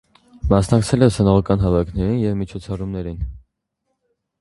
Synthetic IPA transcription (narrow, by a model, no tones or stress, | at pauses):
mɑsnɑkt͡sʰɛlɛsənɔʁɑkɑnɦɑvɑjkʰnɛɾinjɛvmit͡ʃʰɔt͡sʰɑrumnɛɾin